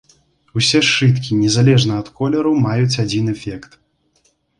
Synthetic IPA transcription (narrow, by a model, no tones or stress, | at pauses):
usʲɛʂɨt̪kʲinʲɛzalʲɛʐnɐɐt̪kɔlʲɛɾɐwmajut͡sʲad͡zʲinɛfʲɛkt̪